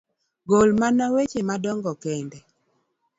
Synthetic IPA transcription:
ɡolmanawet͡ʃemadɔŋɡɔkɛndɛ

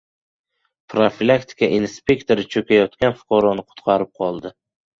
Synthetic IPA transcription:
pʰɾofilˠakt̪ʰɪ̥kʰaʔinspʲe̞kʲt̪ʰoɾɪt͡ʃʰɵkʲajɒt̪kʲanfʊ̥qʰɒɾɒnɪqʰʊ̥t̪qʰɑɾɪp̚qʰɒlˠd̪ɪ

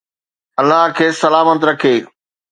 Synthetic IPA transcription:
ɐlːaɦkʰeːsɐlaːmət̪ɾɐkʰeː

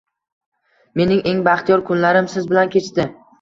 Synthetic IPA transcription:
me̞nɪŋʔe̞ŋbaχt̪ʰijɒɾkʰʊnlaɾɪmsɪzbɪlankʲʰe̞t͡ʃt̪ɪ

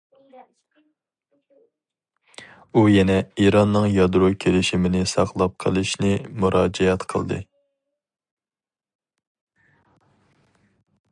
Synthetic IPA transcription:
ujɛnɛiɾɑnːɨŋjɑd̪ɾokʲʰelɪʃimɪnɪsɑqlˠɑp̚qʰə̰lˠɨʃnɪmuɾɑːd͡ʒɛɛt̪qʰə̰lˠd̪ɨ̰

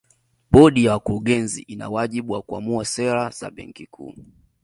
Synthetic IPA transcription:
ɓɔɗijawakuɾuɠɛnzḭʔina̰waʄiɓuwakuamuasɛɾaza̰ɓɛ̰ŋkikʰṵː

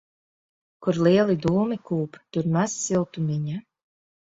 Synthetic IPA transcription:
kuɾlˠiɛlˠid̪uːmikuːpt̪uɾmassilˠt̪umʲiɲa

